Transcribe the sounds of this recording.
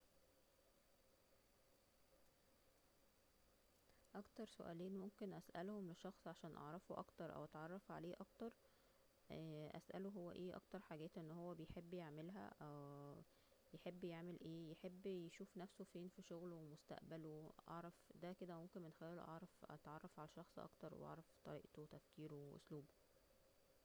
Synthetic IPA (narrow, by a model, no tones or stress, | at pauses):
ʔɑkt̪ɑɾˤsoʔæ̰ːliːnmomkenʔæsʔæ̰lhomleʃːɑxsˤʕaʃæːnʔɑ̰ʕɾˤɑfoʔɑ̰kt̪ɑɾˤʔæ̰wʔɑ̰t̪ʕɑrˤːɑfʕa̰leːʔɑkt̪ɑɾˤ | ʔæ̰sʔæ̰luɦowːæ̰ʔeːʔɑ̰kt̪ɑɾˤħaːɡæːt̪ʔenːhowːæbejħebːjeʕmelɦæ̰ʔæw | jeħebːjeʕmelʔeːjeħebːjeʃuːfnæfsofeːnfiʃoɣlowemost̪æ̰ʔbæloʔɑ̰ʕɾˤɑfd̪æked̪æmomkenmenxæjælo̰ʔɑʕɾˤɑfʔɑ̰t̪ʕɑrˤːɑfʕalæʃːɑxsˤʔɑ̰kt̪ɑɾˤw̰ʔɑ̰ʕɾˤɑft̪ˤɑ̰ɾiːʔt̪owt̪æfkiːɾoweʔo̰sluːbo